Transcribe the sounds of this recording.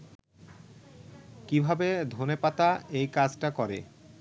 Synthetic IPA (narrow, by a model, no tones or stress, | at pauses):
kibʱabed̪ʱonepat̪aejkad͡ʑʈakɔɾḛ